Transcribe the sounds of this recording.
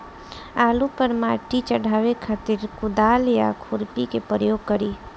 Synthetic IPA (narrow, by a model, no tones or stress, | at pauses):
aːlupəɾmaʈit͡ʃəɽ̤aːʋekʰat̪ɪɾkʊd̪aːlja̰kʰʊɾpikepɾəjoːɡ̚kəɾiː